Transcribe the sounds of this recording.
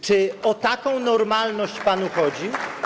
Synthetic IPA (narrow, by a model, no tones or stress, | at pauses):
t͡ʂɘɔt̪akɔ̃w̃nɔɾmalnɔɕt͡ɕpanuxɔd͡ʑi